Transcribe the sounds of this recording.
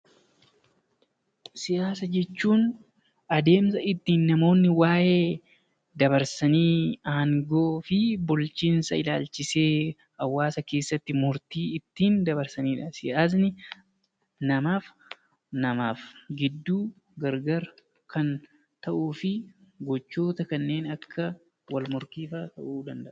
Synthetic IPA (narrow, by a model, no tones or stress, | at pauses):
sɪjaːs̬ɐd͡ʒɛt͡ʃːuːn | ɐd̪e̞ːmsɐɪt̪ːiːnːɐmo̞ːnːɪwaːʔeː | d̪ɐbɐɾsɐniːaːŋɡoːfɪbʊlt͡ʃiːnsɐɪlaːlt͡ʃɪse̞ː | ɐwːaːsɐke̞ːsːɐt̪ːɪmʊɾt̪iːɪt̪ːiːnd̪ɐbɐɾsɐniːᶑɐsɪɐznɪ | nɐmaːf | nɐmaːfɡɪd̪ːuː | ɡɐɾɡɐɾ | kʰɐn | t̪ɐʔuːfɪɡɔt͡ʃːoːt̪ɐkɐnːe̞ːnɐkʰːɐ | wɐlmʊɾkiːfɐt̪ɐʔuːd̪ɐnd̪ɐʔɐ̥